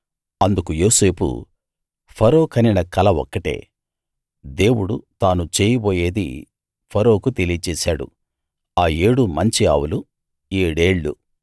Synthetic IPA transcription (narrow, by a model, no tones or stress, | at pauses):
ɐnd̪ukujo̞ːse̞ːpṵ | pʰɐɾo̞ːkʰɐninɐkɐlɐʋɔ̰kːɐʈḛː | d̪e̞ːwuɽut̪aːnut͡ʃeːjɐboːje̞ːd̪ḭ | pʰɐɾo̞ːkut̪elijɐt͡ʃɛːsaːɽṵ | aːe̞ːɽumɐɲt͡ʃiaːwulu | eːɽe̞ːɭːṵ